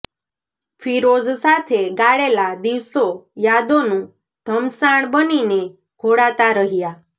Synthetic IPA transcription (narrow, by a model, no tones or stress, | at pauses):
fʰiɾozsat̪ʰeɡaɭelad̪iʋsojad̪onũ | d̪̥ʱəmsaɳ̃bənine | ɡ̥ʱoɽat̪aɾəɦija